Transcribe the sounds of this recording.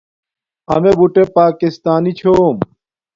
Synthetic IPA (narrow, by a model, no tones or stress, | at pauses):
ɐ̰mebuʈepaːkist̪aːnit͡ɕʰoːm